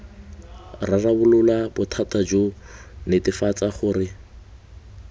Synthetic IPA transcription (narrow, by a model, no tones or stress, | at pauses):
rarabʊlʊlabʊtʰatad͡ʒo | nɪtɪfat͡saχʊːrɪ